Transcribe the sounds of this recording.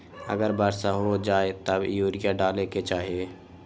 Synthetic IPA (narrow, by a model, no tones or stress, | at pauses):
ə̰ɡəɾbaːɾsaɦod͡ʒaːet̪əbjuːɾɪjaɖaːleket͡ʃaːɦieː